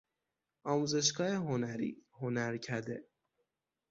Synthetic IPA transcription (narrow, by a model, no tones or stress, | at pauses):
ɒːmuːze̞ʃ̬ɡɒːeɦonæɾḭːhonæɾcʰæɾd̪e